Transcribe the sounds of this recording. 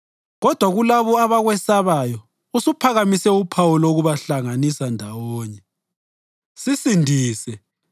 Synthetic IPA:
ɣɔd̥ʱwaɣulaβɔaβaɣwɛsaβajɔ | usupʰaɣamisɛupʰawulouɣuβaɬaŋanisandʱawɔːɲɛ | sisindʱiːsɛ

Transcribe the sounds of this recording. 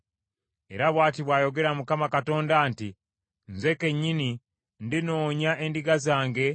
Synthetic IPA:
e̞̰ɾaβwaːtiβwaːjo̞ɡe̞ɾamukamakato̞ːndaːnti | n̩ze̞ke̞ɲːini | ndino̞ːɲaʔe̞ndiɡazaːŋɡe̞

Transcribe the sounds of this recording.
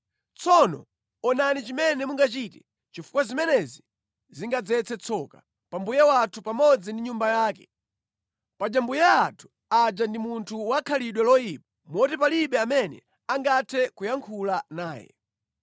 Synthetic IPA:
t͡sʰɔnɔ̰ | ɔnanit͡ʃimɛnɛmuŋɡat͡ʃitɛ̥ | t͡ʃifu̥kwazimɛnɛzi | ziŋɡad͡zɛt͡sʰɛt͡sʰɔka | pambujɛwatʰupamɔd͡zindiɲumbajaːkɛ | pad͡ʒambujaːtʰu̥ | ad͡ʒandimuntʰuwakʰaliɗwɛlɔjipḁmɔtɛpaliɓɛamɛnɛ̰ | aŋɡatʰɛkujaŋkʰulanaːjɛ̰

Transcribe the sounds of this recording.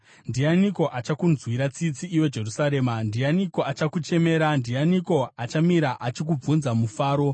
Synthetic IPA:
ndianiko̞ʔat͡ʃakunzwiɾat͡sit͡siʔːwe̞d͡ʒe̞rusaɾe̞ːmandianiko̞at͡ʃakut͡ʃe̞me̞ːɾandijaniko̞at͡ʃamiɾaʔat͡ʃik̬ub͡vunzamufaːɾo̞

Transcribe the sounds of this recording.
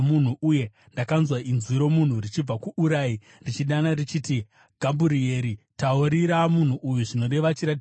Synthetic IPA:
mun̤uʔuje̞ | ndakanzwainziɾo̞mun̤urit͡ʃib͡vakuʔuɾaːi | rit͡ʃiɗanarit͡ʃiːti | ɡ̥ʱambuɾie̞ɾitaoɾiɾamun̤uʔujuʐino̞ɾe̞ʋat͡ʃiɾatː

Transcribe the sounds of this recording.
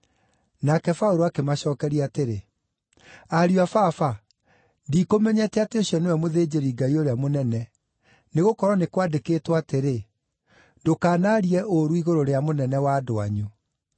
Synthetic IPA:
nakɛfaoɾoakemaɕɔːkɛɾiateɾe | aɾjafafa | ndiːkomɛɲɛtɛateoɕiɔnewɛmoðed͡ʑeɾiɡaioɾeamonɛnɛ | neɣokɔɾɔnekwadekeːtwateɾe | ndokaːnaɾiɛʔoɾuiɣoɾoɾeamonɛnɛwado̰a̰ɲu

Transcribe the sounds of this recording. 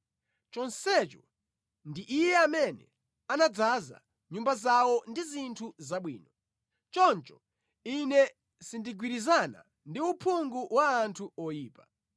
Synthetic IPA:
t͡ʃɔnsɛt͡ʃɔ | ndiʔijɛamɛnɛ | anad͡zaza̰ | ɲumbazawɔndizintʰuzaɓwḭːnɔ | t͡ʃɔnt͡ʃɔ̥ | inɛ | sindiɡwiɾizana̰ | ndiupʰuŋɡuʔwaːntʰuɔjiːpa

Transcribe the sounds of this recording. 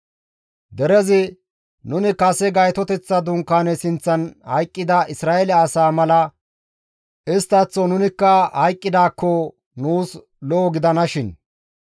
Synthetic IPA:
d̪ɛɾɛzɪ | nʊnɪkɐsɛɡɐjt̪ɔt̪ɛt͡sːɐd̪ʊŋkːaːnɛsɪnt͡sːɐnhɐjkʼːɪd̪ɐʔɪsɾaːɛlɛːsaːmɐlɐ | ʔɪst̪ːɐt͡sːɔnʊnɪkːɐhɐjkʼːɪd̪aːkːɔ | nuːs | lɔːɡɪd̪ɐnɐʃɪn

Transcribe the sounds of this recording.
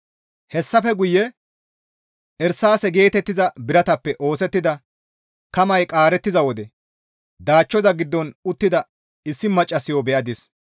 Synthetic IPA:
hɛsːɐfɛɡʊjːɛ | ʔɛɾsaːsɛɡe̞ːt̪ɛt̪ːɪzɐbɪɾɐt̪ɐpːɛʔo̞ːsɛt̪ːɪd̪ɐ | kɐmɐjkʼaːɾɛt̪ːɪzɐwɔd̪ɛ | d̪aːt͡ʃːɔzɐɡɪd̪ːɔnʊt̪ːɪd̪ɐ | ɪsːɪmɐt͡ʃʼːɐsɪjɔbɛʔɐd̪ɪs

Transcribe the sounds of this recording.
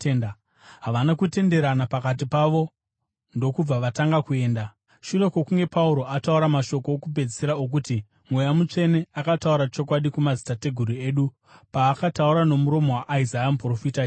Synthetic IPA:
n | ɦaʋanakute̞nde̞ɾanapakat̬ipaʋo̞ | ndo̞kub͡vaʋataŋɡakue̞ːnda | ʃure̞kwo̞kuŋɡe̞pauɾo̞atauɾamaʃo̞ko̞ːkupe̞d͡zi̥seɾaok̬uti | mwe̞jamut͡ʂe̞ne̞akatauɾat͡ʃo̞k̬waɗikumazi̥tate̞ɡʱuɾue̞ːɗu | paːkatauɾano̞muɾo̞mo̞waʔːizajamupro̞fita

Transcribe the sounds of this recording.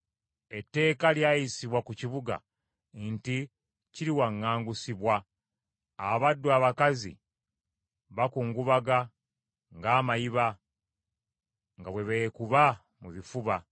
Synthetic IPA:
e̞tːe̞ːkaljaːjisiβwakuciβuɡa̰ | nti | ciɾiwaŋːaːŋɡusiβwaː | βadːuaːβakazḭ | βakuːŋɡuβaɡa | ŋɡaːmajiβa | ŋɡaβwe̞βekuβa | muβifuβa

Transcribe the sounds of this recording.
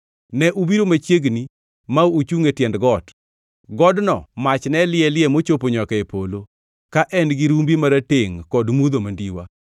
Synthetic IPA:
nɛʔubiɾomat͡ʃjeɡni | maut͡ʃuŋetjɛndɡɔt | ɡɔdnɔ̰mat͡ʃnɛlɪɛlɪɛmot͡ʃopoɲɔkɛepolo | kaʔɛnɡiɾumbimaɾatɪŋkɔdmud̪omandiwa̰

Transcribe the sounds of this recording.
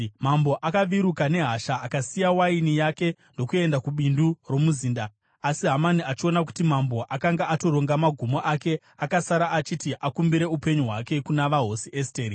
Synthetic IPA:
mambo̞ʔakaʋiɾukane̞ɦaʃaːkasijawainijake̞ndo̞kue̞ndakuɓinduro̞muziːndaː | siɦamaniat͡ʃio̞nak̬u̥timambo̞ʔakaŋɡaʔato̞ɾo̞ŋɡamaɡʱumo̞ʔake̞ | akasaɾaʔat͡ʃitiʔakumbiɾe̞upe̞ɲuɦwake̞kunaʋaɦo̞siʔesteːɾi

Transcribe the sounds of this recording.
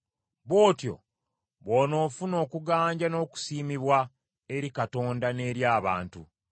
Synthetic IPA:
βo̞ːtjo̞̰ | βoːno̞ːfuno̞ːkuɡaːɲɟano̞ːku̥siːmiβwa | e̞ɾikato̞ːndane̞ːɾjaːβa̰ːntṵ

